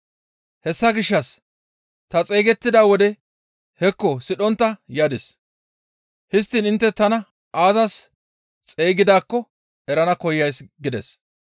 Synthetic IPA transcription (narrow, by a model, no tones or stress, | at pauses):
hɛsːɐɡɪʃːɐs | t̪ɐt͡sʼe̞ːɡɛt̪ːɪd̪aːwɔd̪ɛ | hɛkːɔsɪɗɔnt̪ːɐjaːd̪ɪs | hɪst̪ːiːnɪnt̪ːɛt̪ɐnɐ | ʔaːzɐs | t͡sʼe̞ːɡɪd̪aːkːɔ | ɛɾɐnɐkɔjːɐjsɡɪd̪ɛs